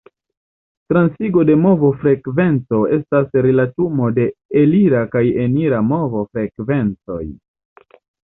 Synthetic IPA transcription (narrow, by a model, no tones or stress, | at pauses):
tɾansiɡo̞de̞mo̞vo̞fɾe̞kve̞nt͡so̞e̞stasɾelatumo̞de̞eliɾakajeniɾamo̞vo̞fɾe̞kve̞nt͡so̞̰j